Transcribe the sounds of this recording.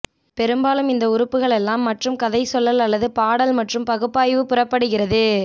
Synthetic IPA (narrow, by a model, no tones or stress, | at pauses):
pɛɾɯmbaːlɯmɪnd̪ɐʊɾɯpːɯɣɐɭɛlːaːmːɐʈrɯmkɐðɐɪsɔlːɐlɐlːɐðɯpaːɽɐlmɐʈrɯmpɐɣɯpːaːjʋɯpʊrɐpːɐɽɯɣɪrɐðɯ